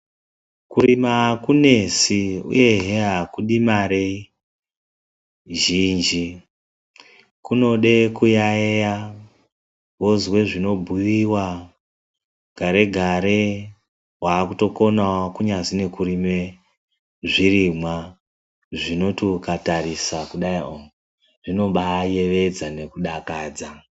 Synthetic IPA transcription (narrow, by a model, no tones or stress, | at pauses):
kuɾimakune̞siṵje̞ɦeɦakuɗimaɾe | ʒind͡ʒi | kuno̞ɗe̞kujaeja | wozwe̞ʐino̞bʱuʋiwa | ɡ̥ʱaɾe̞ɡʱaɾe̞ | waːkuto̞ko̞nawokuɲazine̞kurime | ʐirimwa | ʐino̞tukatarisakuɗaio | ʐino̞ɓaje̞ʋe̞d͡zane̞kuɗakaːd͡za